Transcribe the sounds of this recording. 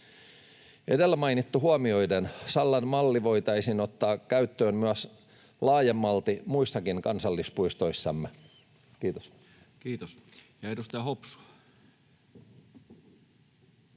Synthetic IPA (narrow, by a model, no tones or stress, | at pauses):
edelːæmɑinit̪ːuɦuɑmio̞idensɑlːɑnmɑlːiʋoit̪ɑisinot̪ːɑːkkæyt̪ːøːnmyæs | lɑːjemːɑlt̪imuisːɑkiŋkɑnsɑlːispuist̪oisːɑmːe | kiːt̪os | kiːt̪osjɑedust̪ɑhopsu̥ɑ